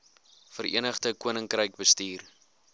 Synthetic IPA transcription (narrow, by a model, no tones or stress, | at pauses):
fərʔḭənəχdəkuənəŋkrəjk̚bəstiːr